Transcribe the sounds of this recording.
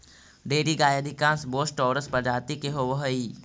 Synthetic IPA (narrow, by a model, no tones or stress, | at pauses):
ɖeːɖiɡaːjəd̪ʱikãːnsboːsʈɔːɾəspəd͡ʒaːt̪ikeɦoʋəɦoiː